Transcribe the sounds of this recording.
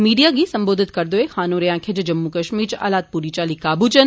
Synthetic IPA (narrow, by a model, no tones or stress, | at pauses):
miːɖijaːɡisɐ̃mboːd̪ʱɪt̪kɐɾd̪oːexaːnõɾɐjãːkʰed͡ʒɐd͡ʒɐmːukɐʃmiːɾt͡ʃa̰ːlaːt̪̚puːɾit͡ʃaːlikaːbut͡ʃɐn